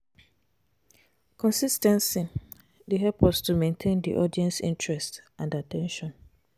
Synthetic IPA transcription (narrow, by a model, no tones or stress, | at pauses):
kʰɔ̃nsistɛ̃nsi | deɦɛpɔstumẽntʰẽndḭʔɔdiɛ̃nsḭ̃ntʰɹɛstãndatʰɛ̃nʃɔ̃n